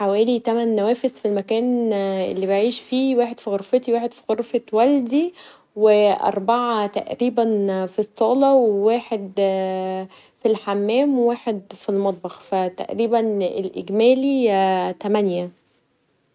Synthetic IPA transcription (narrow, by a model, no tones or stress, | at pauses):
ħawæːlit̪æmænːæwæːfezfilmækæːnʔḛlːibeʕiːʃfiːwæːħed̪̥fiɣoɾfet̪iwæːħed̪̥fiɣoɾfewæld̪i | weʔɑ̰ɾˤbaʕat̪æ̰ʔɾiːbænfisˤːɑːlɑwewæːħed̪ | filħamːæːmwæːħed̪filmɑt̪̚ˤbɑxfæt̪æ̰ʔɾiːbænelʔḛɡmæːlit̪æmænjæ